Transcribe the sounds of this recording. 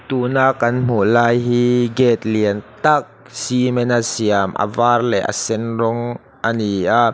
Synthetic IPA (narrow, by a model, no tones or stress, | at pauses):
t̪uːnaːk̚ːɐnm̥ulaːjɦiɡɛt̪̚liənt̪ak̚ | simɛnasiəmʔə̰vaːrlɛ̰ʔə̰sɛnrɔŋ | ʔɐniaʔ